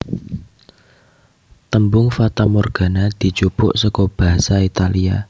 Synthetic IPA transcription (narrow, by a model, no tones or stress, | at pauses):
t̪əmbʊŋfat̪amɔrɡ̥a̤nad̪̥i̤t͡ʃupʊ̰ʔsɔkɔb̥a̤ɦasait̪alia̰